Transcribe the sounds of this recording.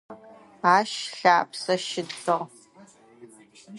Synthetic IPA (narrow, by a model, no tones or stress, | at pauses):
aːʃɬaːpʰsɐʃɪdfɨʁ